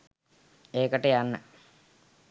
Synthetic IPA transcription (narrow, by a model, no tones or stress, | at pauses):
eːkəʈəjanːə